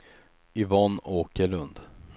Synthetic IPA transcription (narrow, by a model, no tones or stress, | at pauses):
ɪvɑnoːkəɭɵnd̪